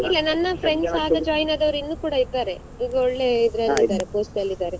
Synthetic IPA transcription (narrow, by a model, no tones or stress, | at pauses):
ilːɐnɐnːɐpʰɾe̞ɳɖsaːɡɐd͡ʒaːjnaːd̪ɐʋɐɾinːuːkuːɽɐid̪ːaːɾe̞ | iɡ̪uɔɭːe̞id̪ɾɐlːid̪aːɾepoːsʈɐlːid̪aːɾe